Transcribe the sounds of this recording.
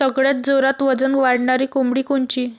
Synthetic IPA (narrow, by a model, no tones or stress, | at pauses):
əɡɭjat̪̚d͡zoɾat̪ʋəd͡zənʋaɽɳaɾiːkumɽiːkuɳt͡ɕiː